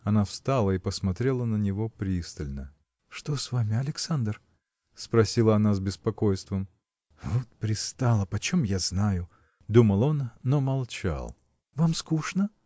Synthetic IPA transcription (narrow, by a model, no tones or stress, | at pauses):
ɐnafst̪alˠəipəsmɐt̪ɾʲelˠənənʲɪvo̞pɾʲist̪əlʲnə | ʂt̪osvamʲɪɐlʲɪksand̪r | spɾɐsʲilˠəɐnazbʲɪspɐko̞jst̪vəm | vot̪̚pɾʲɪst̪alˠəpɐt͡ɕomjaznajʊ | d̪uməlˠo̞nːomɐlˠt͡ɕa̰lˠ | vamskuʂnə